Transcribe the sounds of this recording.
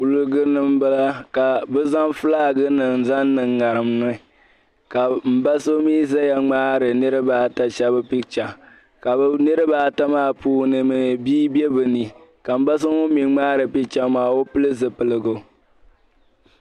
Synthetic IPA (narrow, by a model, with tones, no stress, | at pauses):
u˨lɨ˦ɡɨ˦nɨ˦m˦bɨ˦la˦ka˨bɨ˦za˦mfɨ˦laː˦ɡɨ˦nɨ˨n˨za˦nːɨ˨ŋːa˨ɾɨ˨m˦nʊ˦˨ | ka˨m̩˨ba˦so˦miː˦za˦ja˨ŋ͡maː˦ɾɨ˨nɨ˦ɾɨ˦baː˦ta˦t͡ʃa˦bɨ˦pi˦t͡ʃa˨ | ka˨bnɨ˦ɾɨ˦baː˦ta˦maː˦˨puː˦nɨ˨mɨ˨biː˦bjɛ˦bɨ˨ni˨ka˨m̩˨ba˦s̬ɨ˦ŋo˦mi˨ŋ͡maː˦ɾɨ˨pi˦t͡ʃa˦maː˨o˦pɨ˦lɨ˦zɨ˨pɨ˨lɨ˦ɡo˨